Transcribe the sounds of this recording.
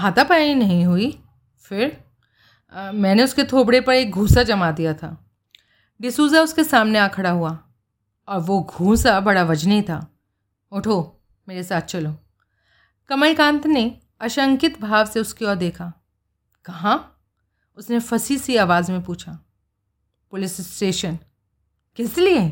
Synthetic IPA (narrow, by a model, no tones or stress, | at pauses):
ɦaːt̪apɛːainɐɦĩɦui | fɪɾ | mɛ̃ːneʊsket̪ʰoːbɽepɐɾeːk̚ɡʱuːsad͡ʒɐmad̪ijat̪ʰa̰ː | ɖɪsuːzaʊskesaːmneaːkʰɐɽaɦua | ɔːɾʋoɡʱũːsabɐɽaʋɐd͡ʒnit̪ʰa̰ː | ʊʈʰoː | meːɾesaːt̪̚ʰt͡ʃɐloː | kɐməlikãːnt̪ne | ɐʃə̃ŋkɪt̪bʱaːʋseʊskiɔːɾd̪eːkʰaː | kɐɦã | ʊsnefɐsisiaːʋaːzmẽpuːt͡ʃʰa | pʊlɪssʈeːʃən | kɪslie